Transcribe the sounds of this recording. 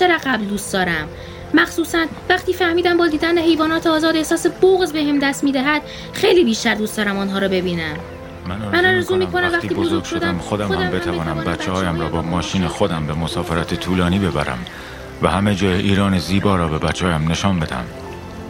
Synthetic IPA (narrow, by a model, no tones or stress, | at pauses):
t͡ʃeɾæʁæbld̪uːst̪d̪ɒːɾæmː | æxsuːsænvæχt̪ʰiːfæhmiːd̪æmbɒːd̪iːd̪ænd̪eɦe̞jvɒːnɒːt̪ʰeɒːzɒːd̪e̞hsɒːseboɣzbehemd̪æst̪miːd̪æɦæd̪̥ | xejliːbiːʃt̪æɾd̪uːst̪d̪ɒːɾæmɔːnɦɒːɾɒːbe̞biːnæm | mænnmænɒːɾezuːmiːkʰonæmvæχt̪ːt̪iːbbozoɡʃod̪æmxod̪æmæmbet̪ʰævɒːnæmbæt͡ʃʰːehɒːjæmɾɒːbɒːmɒːʃiːnexod̪æmbemosɒːfeɾæt̪ʰet̪ʰuːlɒːniːbe̞bæ̰ɾæ̰m | væhæmed͡ʒɒːjeʔiːɾɒːneziːbɒːɾɒːbe̞bæt͡ʃʰːeɒːjæmne̞ʃɒːnbe̞d̪æ̰m